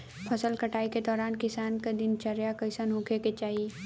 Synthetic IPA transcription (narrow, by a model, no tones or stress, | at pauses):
pʰɐsəlkɐʈaːiked̪ɔːɾaːnkɪsaːnkad̪ɪnt͡ʃɐɾjakɐsənɦʊ̃kʰeket͡ʃaːɦi